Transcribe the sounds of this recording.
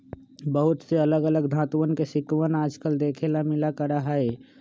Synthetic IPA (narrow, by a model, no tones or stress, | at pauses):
bəɦʊt̪seɐləɡələɡd̪ʱãːt̪ʋənkesɪkəʋənaːd͡ʒkəld̪eːkʰelamɪlakəɾaɦaeː